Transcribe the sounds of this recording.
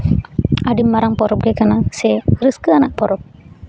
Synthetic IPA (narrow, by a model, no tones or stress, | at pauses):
aɖimːaɾaŋpɔɾɔp̚ɡɛkanasɛɾɨskɯanaʔpɔɾɔp̚